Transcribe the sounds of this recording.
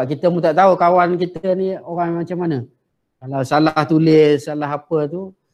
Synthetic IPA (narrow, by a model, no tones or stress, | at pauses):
aʔkit̪əmut̪aʔt̪aukawankit̪ənioɣaŋmat͡ʃamːanə | kalawsalaht̪ulɪssːalaɦapət̪u